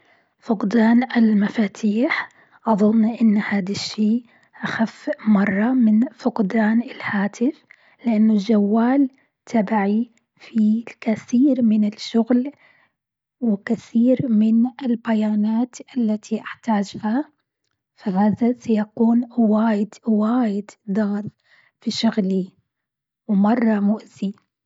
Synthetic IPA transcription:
fʊqd̪aːnɪlmafaːt̪ʰiːħ | ʔɑðˤʊnːʔɪnːhaːd̪aʃːiː | ʔaxafmɑrˤːɑmɪnfʊqd̪aːnɪlhaːt̪ʰɪf | lɪʔanːʊld͡ʒawːaːl | t̪ʰabaʕi | fikaθiːɾmɪnɪlʃʊɣl | wɪkaθiːɾmɪnɪlbajaːnaːt̪ʔalːat̪ʰiʔaħt̪aːd͡ʒha | fahaːðasajakuːnwaːjɪd̪waːjɪd̪d̪ˤɑɣt̪ˤ | fiʃʊɣli | wmɑrˤːɑmʊʔz̥i

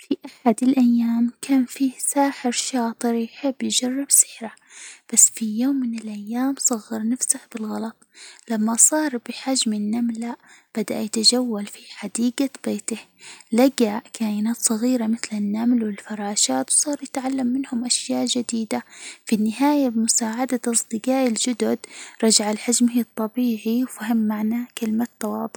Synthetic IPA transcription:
fiʔaħad̪ɪlʔajːaːmkʰaːnfiːsaːħɪɾʃɑːt̪ˤɨɾijħɪbːjɪd͡ʒɑrːɪbsɪ̥ħɾa | b̥asːfijoːmːɪnɪlʔajːaːmsˤɑɣːɑɾnafsahbɪlɣɑlɑt̪ˤlamːasˤɑːɾˤbɪħad͡ʒmɪnːamlab̥ad̪a̰ʔjat̪ad͡ʒawːalfiħad̪iːɡab̥eːt̪ɪhlaɡaʔkʰaːʔɪnaːt̪sˤɑɣiːɾamɪθlɪnːamlwɪlfɑɾˤɑːʃaːt̪wsˤɑːɾˤjɪt̪ʕalːamːɪnhʊmʔaʃjaːʔd͡ʒɪd̪iːd̪afinːɪɦaːjabɪmʊsaːʕad̪aʔɑsˤd̪ˤɨɡɑːʔɪld͡ʒʊd̪ʊd̪ɾˤɑd͡ʒaʕalħad͡ʒmht̪ˤːɑbiːʕiwfahɪmːaʕnakɪlmat̪ːɑwɑːd̪ˤʊ

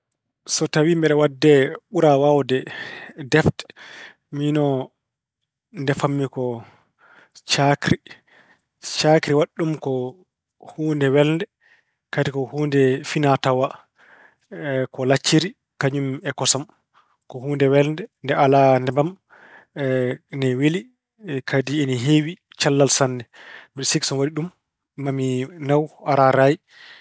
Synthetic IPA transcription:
sɔtawimbɛɗɛwadːɛɓuɾawawdɛdɛft | minɔ | ndɛfamːikɔ | t͡ʃakɾi | t͡ʃakɾiwaɗːumkɔ | huːndɛwɛlndɛ | katikɔhuːndɛfinatawa | kɔlat͡ʃːiɾi | kaɲumɛkɔsɔm | kɔhuːndɛwɛlndɛndɛalanɛbam | nɛwili | kʰadiɛniɦewi | t͡ʃalːalsanːɛmiɗsiksɔnwadiɗumː | aminawaɾaɾaji

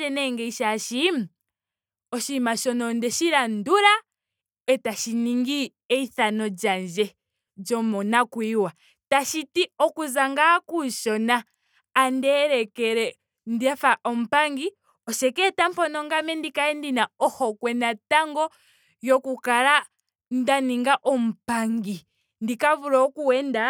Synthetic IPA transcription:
ɛnɛŋɡɛiʃaʃima | ɔʃimaʃɔnɔndɛʃiɾanduɾa | ɛtaʃiniŋɡi | ɛiθanɔd͡ʒand͡ʒɛ | d͡ʒɔmɔnakwiwa | taʃitiɔkuzaŋɡakuʃɔnaː | ndɛːɾɛkɛɾɛ | ndiafaʔɔm̩paŋɡi | ɔʃɛkɛtam̩pɔnɔŋɡamɛndikaɛndinaɔhɔkwɛnataŋɡɔ | jɔkukala | ndaniŋɡaʔɔm̩paŋɡi | ndikaβuɾɔɔkuwɛnda

